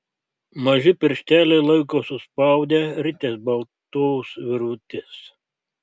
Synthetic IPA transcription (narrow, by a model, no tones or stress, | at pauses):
mɐʒʲɪpʲɪɾʲʃʲt̪ʲæːlʲɛɪlˠɐɪkoːsʊspɑˑʊd̪ʲeɾʲɪt̪ʲesbɐlˠt̪oʊsʋʲɪɾut̪ʲɪs